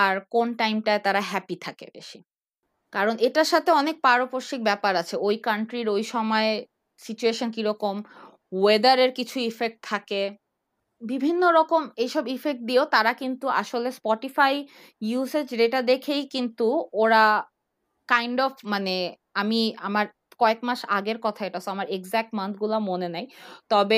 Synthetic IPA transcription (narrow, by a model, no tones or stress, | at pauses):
aɾkonʈajmʈaet̪aɾaɦɛpit̪ʰakḛbḛʃi̥ | kaɾoneʈaɾʃat̪ʰeɔnek̚paɾopoɾʃik̚bɛpaɾat͡ɕʰeojkaɳʈɾiɾojʃɔmɔe | sit͡ɕueʃonkiɾɔkom | wed̪aɾeɾkit͡ɕʰuifek̚ʈ̚t̪ʰake | bibʱinːoɾɔkomejʃɔbifek̚ʈ̚d̪iot̪aɾakint̪ua̰ʃolespɔʈifaj | jused͡ʑɖeʈad̪ekʰejkint̪uoɾa | kajɳɖɔfʰmane | amiamaɾ | kɔekmaʃa̰ɡeɾkɔt̪ʰaeʈasoamaɾeɡzɛk̚ʈmant̪̚ʰɡulamonenajt̪ɔbe